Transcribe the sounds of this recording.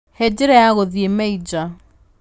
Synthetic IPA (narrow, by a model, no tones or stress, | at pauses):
hed͡ʒɪɾɛjaɣoðiemɛid͡ʒa